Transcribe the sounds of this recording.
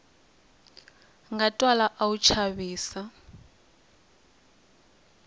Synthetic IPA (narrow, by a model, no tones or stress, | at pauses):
ŋɡatʼwalaʔaut͡ʃʰaβiːsa